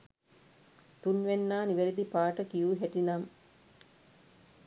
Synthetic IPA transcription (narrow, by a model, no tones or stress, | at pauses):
t̪unʋenːaːniʋeɾid̪ipaːʈəkijuːɦæʈinam